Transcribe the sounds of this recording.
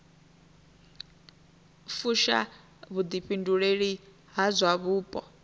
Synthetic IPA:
fuʃa̰ | βud̪iɸinduɺeɺi | ɦazʷwaβuːpʼɔ̰

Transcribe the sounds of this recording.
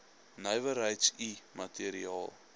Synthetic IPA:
nəjvəɾəjtsimɐtiəɾiɑːlˠ

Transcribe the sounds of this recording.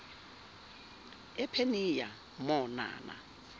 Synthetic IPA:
ɛpʰenija | mɔna̰ːna̰

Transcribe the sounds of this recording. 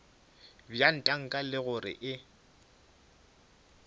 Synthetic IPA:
bjan̩tʼaŋ̩kʼalɪɣʊrɪ̰ʔɪ

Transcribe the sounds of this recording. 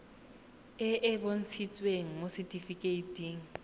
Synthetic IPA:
ɪʔɪbon̩t͡sʰit͡sʼweŋ̩mositʼifikʼeitʼiːŋ̩

